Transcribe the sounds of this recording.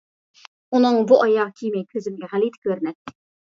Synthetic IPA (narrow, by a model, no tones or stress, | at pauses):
unɨŋbuʔɑjɑʁkʲʰijmɛjkʲʰøzɪmɡʲɛʁælid̪ɪ̥kʲøɾnɛt̪ːɪ̥